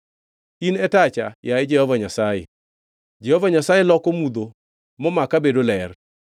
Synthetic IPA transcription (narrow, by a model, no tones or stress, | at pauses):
inɛtat͡ʃajaɪd͡ʒɛhɔvaɲasajḛ | d͡ʒɛhɔvaɲasajelɔkomud̪o | mɔmakabedolɛr